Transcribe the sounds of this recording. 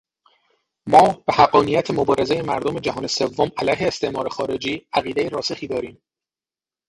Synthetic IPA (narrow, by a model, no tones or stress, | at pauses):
mɒːb̥ehæɢːɒːnijæt̪ʰemobɒːɾe̞zejemæ̰ɾd̪omed͡ʒæɦɒːne̞se̞vːomælæjɦe̞ːst̪e̞ʔmɒ̰ːɾe̞xɒ̰ːɾe̞d͡ʒiːæɣiːd̪e̞jeɾɒːsexiːd̪ɒːɾiːm